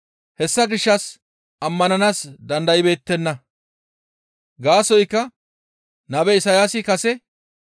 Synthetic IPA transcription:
hɛsːɐɡɪʃːɐs | ɐmːɐnɐnaːsd̪ɐnd̪ɐjɪbe̞ːt̪ːɛnːɐ | ɡaːsɔjkːɐ | nɐbɛɪsɐjaːsɪkɐsɛ

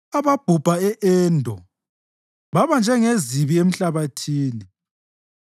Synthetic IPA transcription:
aβab̥ʱub̥ʱaɛʔɛːndʱɔ | βaβand͡ʒʱɛŋeziβiem̩ɬaβatʰiːni

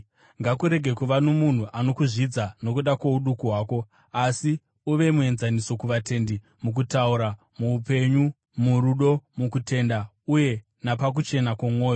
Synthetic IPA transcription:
ŋɡakuɾe̞ɡʱe̞kuʋano̞mun̤uʔano̞kuʐid͡zano̞kuɗakwouɗukuɦwaːko̞ | asi | uʋe̞mue̞nzaniso̞kuʋate̞ːndi | muk̬utauɾa | muːpe̞ɲu | muɾuɗo̞mukute̞nda | uje̞ | napak̬ut͡ʃe̞nakwomwo̞ːjo

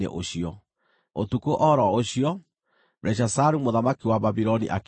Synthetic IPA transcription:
ḛʔoɕiɔ | o̰tukoʔɔɾɔoɕiɔ | ɾʔɛɕ̬asaɾumoðamakiwaβaβiɾɔnḭʔak

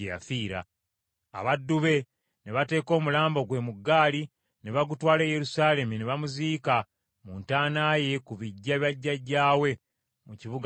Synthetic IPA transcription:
eja̰fiːɾa̰ː | βadːuβe̞ | neβate̞ːko̞ːmulaːmbo̞ɡwe̞muɡːaːli | neβaɡutwaːle̞ːje̞ɾusaːle̞mineβamuziːka | muntaːnaːje̞kuβiɟːaβjaɟːaɟːaːwe̞ | muciβuɡ

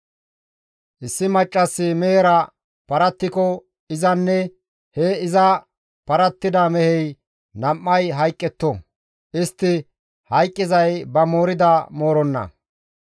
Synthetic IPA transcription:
ʔɪsːɪmɐt͡ʃʼːɐsːɪmeːɾɐ | pɐɾɐt̪ːɪkɔ | ɪzɐnːɛ | hɛɪzɐ | pɐɾɐt̪ːɪd̪ɐmɛhɛj | nɐmːɐjɦɐjkʼːɛt̪ːɔ | ʔɪst̪ːɪ | hɐjkʼːɪzɐjbɐmo̞ːɾɪd̪ɐmo̞ːɾɔnːɐ̰

